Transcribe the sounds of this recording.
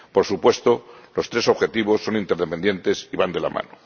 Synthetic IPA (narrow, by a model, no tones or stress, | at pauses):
po̞ɾsupwe̞st̪o̞lo̞st̪ɾe̞so̞βxe̞t̪iβ̞o̞sːo̞nint̪eɾðepe̞nd̪je̞nt̪e̞siβand̪ela̰mã̰no